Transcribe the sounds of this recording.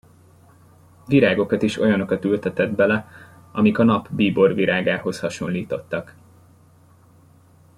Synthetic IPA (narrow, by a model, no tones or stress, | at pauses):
viɾaːɡo̞kɒt̪iʃo̞jɒno̞kɒt̪ylt̪ɛt̪ɛd̪bɛlɛ | ɒmikɒnɒpbiːbo̞rviɾʔaːɡaːho̞shɒʃo̞nliːt̪o̞t̪ːɒk